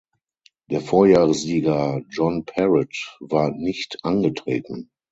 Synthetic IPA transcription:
d̥eːɐfoːɐjaːʁəsziːɡɐd͡ʒɔnpʰɛʁɪtvaːɐnɪçtʔanɡətʁ̥ḛːtn̩

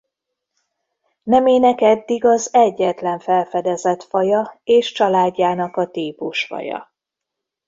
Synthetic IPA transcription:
nɛmeːnɛkɛd̪ːiɡɒzɛɟːɛt̪lɛɱfɛlfɛd̪ɛzɛt̪fɒjɒeːʃt͡ʃɒlaːɟːaːnɒkɒt̪iːpuʃfɒ̰jɒ̰

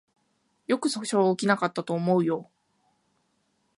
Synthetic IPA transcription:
jo̞kɯ̟so̥ɕoːkʲinakat̪ːat̪o̞ːmo̞ɯ̟jo̞

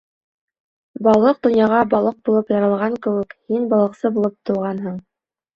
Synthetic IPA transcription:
bɑlˠɤq̚d̪ŏnjɑʁɑbɑlˠɤq̚bulˠɤpjɑɾɤ̆lˠʁɑŋkɘ̆wɘkhinbɑlˠɤ̆qsɤbulˠɤp̚t̪ŏwˠʁɑnɦɤɴ

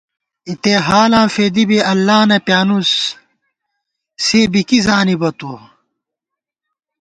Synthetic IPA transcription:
it̪eɦaːlãːfed̪ibeʔɐlːaːnɐpjaːnus | seːbikizaːnibɐt̪o

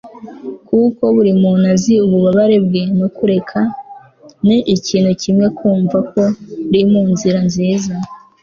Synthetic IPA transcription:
kuko̞βuɾimunaziuβuβaβaɾe̞bɡenokuɾe̞kʰa | niʔːciːnhucʰimŋe̞kʰuːɱvako̞ɾimuːnziɾanziːza

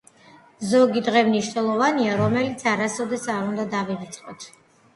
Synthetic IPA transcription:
zɔɡid̪ʁɛmniʃnɛlˠɔvaniaɾɔmɛlit̪sʰaɾasɔd̪ɛsaɾund̪ad̪avivit̪sʼqʼɔt̪ʰ

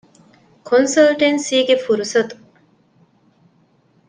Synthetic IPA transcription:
kʰonsɐlʈensiːɡefuɾusɐt̪u̥

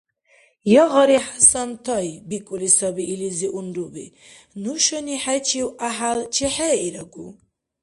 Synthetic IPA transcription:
jɔɣɔɾiħasant̪ʰajbikʼulisabiːliziʔunɾubḭ | nuʃɔniħat͡ʃʰiwaɦalt͡ʃʰiħɛiɾaɡu

